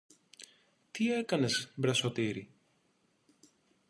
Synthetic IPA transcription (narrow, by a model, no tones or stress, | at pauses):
t̪ie̞kɐne̞zbɾɐso̞t̪iɾi